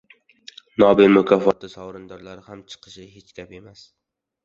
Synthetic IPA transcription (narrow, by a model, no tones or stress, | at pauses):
nɒbɪnmʊkʲʰɒfɒt̪ːɪsɒwɾɪnd̪ɒɾlaɾɪhamt͡ʃʰɨ̥qʰɨ̥ʃɪɦet͡ʃkʲape̞mas